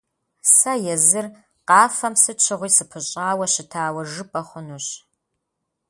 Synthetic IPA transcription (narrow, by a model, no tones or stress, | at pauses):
sɐjɛzɨr | qɑːfɐmsɨt͡ʃʰɪʁʷiːsɨpʰɨɕʼaːwɐɕɪtʰaːwɐʒɨpʼɐχʷʊnuɕ